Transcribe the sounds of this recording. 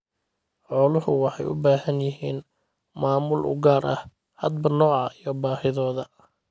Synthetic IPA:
ħɔːlʊhʊwɑħɑjʊ̰baːhɐnjɪɦiːn | maːmʊlʔʊ̰ɡaːɾʔɐ̰h | hɐd̪̚bɐnɔːʕɑijɔbaːhɪðɔːðɐ

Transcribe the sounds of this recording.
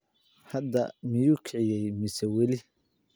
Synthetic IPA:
hɐd̪ɐmɪjuːkʰɪʕɪjɛjmɪsɛwɛlɪ

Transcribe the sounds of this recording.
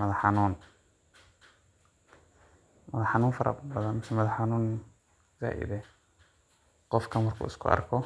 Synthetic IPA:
mɐðɐħɑnuːn | mɐðɐħɑnuːnfɐɾɐ̰bɐðɐnmɪsɛmɐðɐħɑnuːn | za̰ːʔɪ̰ðɛ | qɔfkʰɐnmɐrkʰṵːɪskʰʊ̰ɐ̰rkʰɔ

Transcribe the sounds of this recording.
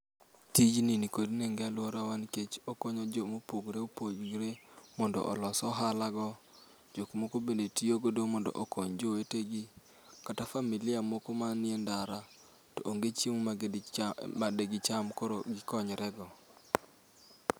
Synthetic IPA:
tid͡ʒninikodneŋɡealwɔɾawanket͡ʃokoɲɔd͡ʒomopoɡɾeopod͡ʒɡɾemɔndɔ̰ʔɔ̰lɔsɔɦalaɡɔ | d͡ʒokmokobendetioɡodomɔndɔ̰ʔokoɲd͡ʒoweteɡi | katafamilɪjamokomanɪendaɾa | toʔoŋɡet͡ʃiŋa | adeɡɪt͡ʃamkoɾoɡɪkɔɲɾɛɡɔ

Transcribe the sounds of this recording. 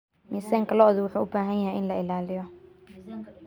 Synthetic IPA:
miːsɐŋkʰɐlɔðʊwʊħuːʊbaːɦɐnjɐɦjɪnlɐɪlaːlɪjɔ

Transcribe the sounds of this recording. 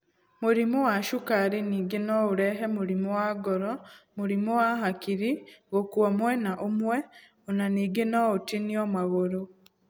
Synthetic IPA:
muɾimowaʃukaɾiniːɡenouɾɛɦemuɾimowaɡɔɾɔmuɾimowaɦakiɾiɣokwomwɛnaʔomwɛ | onaniːɡenoutiniomaɣoɾo

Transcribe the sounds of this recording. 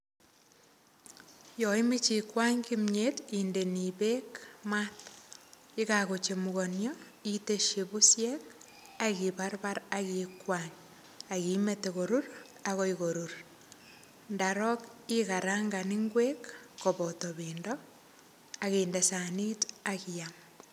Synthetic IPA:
joimit͡ʃikwaɲkimɲetindeniβekmat | ikaɣot͡ʃemuɣonjo | iteʃeβusjek | aɣiβaɾβaɾaɣikwaɲ | aɣimeteɣoɾuɾ | aɣoiɣoɾuɾ | ndaɾɔkikaɾaːŋɡaniŋɡwekːoβotoβiːndo | aɣeːndesanitakijam

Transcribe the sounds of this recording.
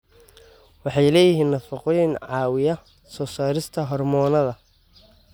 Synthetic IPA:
wɑħɑjlɛːjɪɦiːnːɐfɑqɔjɪnʕɑːwɪjɐ | sɔːsaːɾɪst̪ʰɐɦɔrmɔːnɐðɐ

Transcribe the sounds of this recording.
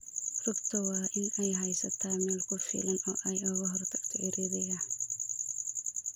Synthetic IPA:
rʊbt̪ʰɐwɑːʔɪnɛjɦɛjsɐt̪ʰaːmɛːlkʰʊfɪ̰ːlɐnɔːʔɛjʊɣɐɦɔrt̪ʰɐɡ̥t̪ʰɐʔɪɾʔɛːðɛjaːn

